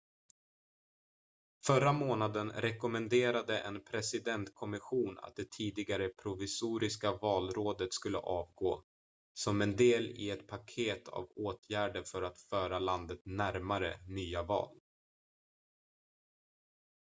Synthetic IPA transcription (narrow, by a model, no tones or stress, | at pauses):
fœɾamoːnad̪ənɾɛkɔmɛnd̪eːɾad̪əʔɛ̰npʰɾɛsɪd̪ɛnt̪kʰɔmɪɧuːna̰t̪̚d̪ɛt̪ʰiːd̪ɪɡaɾəpʰɾʊvɪsuːɾɪskavɑːlɾoːd̪ət̪skɵlːə̰ʔɑːvɡoː | sɔmɛnd̪eːlɪ̰ɛt̪pʰakʰeːt̪ʰa̰voːt̪ʰjæːɖəɾfœɾat̪fœːɾaland̪ət̪næɾmaɾənyːavɑ̰ːl